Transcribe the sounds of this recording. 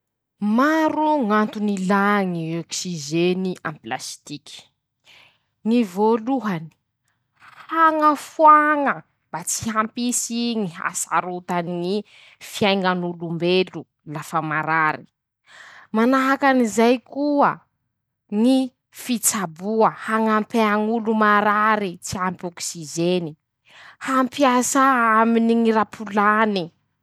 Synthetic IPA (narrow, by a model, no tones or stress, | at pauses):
maɾuŋant̪unilaŋioksiʒeniʔãmpla̰st̪iki̥ | ŋivoluɦani̥ | haŋəfwaŋə | b̥at͡siɦampisiŋiɦa̰sa̰ɾut̪aniŋi | fiajŋanulumbelu | lafəmaɾaɾi | manaɦakanizajkuə | ŋi | fit͡sabuəhaŋampeaŋulumaɾaɾit͡siampoksizeni | hampiasaaminiŋiɾapʰulani